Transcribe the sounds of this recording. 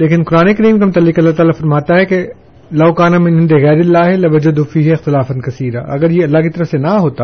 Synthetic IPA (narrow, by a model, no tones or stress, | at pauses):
leːkɪnkʊɾaːnekɐɾiːmkamʊt̪ɐlːɪkɐlːat̪aːlafɐɾmaːt̪aɦɛke | lɐːkaːnamɪ̃nɦɪ̃nd̪eɣɛːɾɪlːaːɦelɐʋɐd͡ʒɐd̪ufiːɦeɪxt̪ɪlaːfɐnkɐsiːɾa̰ʔɐ̰ɡəɾjeɐlːaɦkit̪ɐɾəfsenɐɦoːt̪a